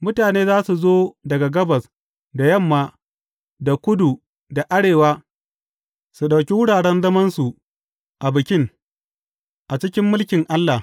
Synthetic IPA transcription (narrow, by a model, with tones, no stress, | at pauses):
mʊ˦taː˨neː˦zaː˦su˨zoː˦dɐ˨ɡa˨ɡɐ˦bɐ˨s | da˨jɐ˦˨mːaː˦ | da˨kʷʊ˦du˨ | da˨ʔa˦ɽeː˨waː˦ | su˨ɗa˨wkʲi˦wʊ˦ɽaː˨ɽɛ˦nzɐ˦mɐ˦nsu˨ʔ | ʔa˨bɪ˨kʲɪ˦ŋ | ʔa˨t͡ʃɪ˦kʲɪ˦mːʊ˦lkʲɪ˨ŋʔa˦lːa˨h